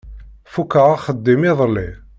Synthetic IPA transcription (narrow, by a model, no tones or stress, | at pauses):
fukːaʁaχəd̪ːimɪðˤlːi